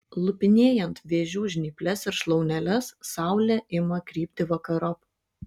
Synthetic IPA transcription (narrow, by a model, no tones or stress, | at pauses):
lˠʊpʲɪnʲeːjɛnt̪ʋʲeːʒʲuːʒʲnʲiːpʲlʲɛsɪɾʃlˠɒʊnʲɛlʲɛssɑˑʊlʲɛʔɪmɐkɾʲiːpʲt̪ʲɪʋɐkɐɾɔp